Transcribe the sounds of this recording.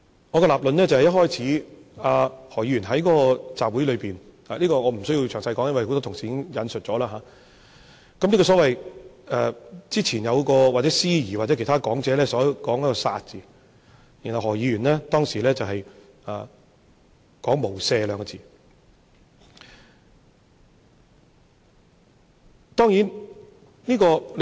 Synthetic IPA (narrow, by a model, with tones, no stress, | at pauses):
ŋɔː˨˧kɔ˧laː˨p̚lə˨nlɛː˥t͡sɐ˨whɛ˨jɐ˥t̚hɔː˥jt͡sʰiː˨˥aː˨˧hɔː˨˩ji˨˧jyː˨˩nɦɐ˨˥jkɔː˨˥kɔː˧t͡saː˨p̚wu˨˥jlɵ˨˧ɥpiː˨nhaː˨liː˥kɔː˧ŋɔː˨˧m̩˨˩sɵ˥ji˧wt͡ʃʰœː˨˩ŋsɐ˧jkɔː˨˥ŋjɐ˥nwɐ˨jho˧˥t̪ɔː˥tʰʊ˨˩ŋsiː˨iː˨˦ɪ˥ŋjɐ˨˧nsɵ˨t̚t͡sɔː˨˥laː˧ɦaː˨˦ | kɐ˨mliː˥kɔ˧s̬ɔ˨˥wɐ˨jɛː˨t͡siː˥t͡sʰiː˨˩njɐ˨˧wkɔː˧wa˨t͡sɛ˨˥siː˥jiː˨˩waː˨t̚ɛ˨˥kʰe˨˩t̪ʰaː˥kɔː˨˥ŋt͡sɛː˨˧lɛː˥sɔː˨˥kɔː˨˥ŋjɐ˥kɔ˧sa̰ː˧t̚t͡siː˨˩ | ji˨˩nhɐ˨whɔː˨˩jiː˨˧jɥyː˨˩nlɛː˥t̪ɔː˥ŋsiː˨˩lɛː˥t͡sɐ˨wɦɐ˨j | aː˨ | kɔː˨˥ŋmo˨˩wsɛː˧lœː˨˧ŋkɔ˧t͡siː˨˩ | t̪ɔː˥ŋjiː˨˥n | niː˥kɔː˧l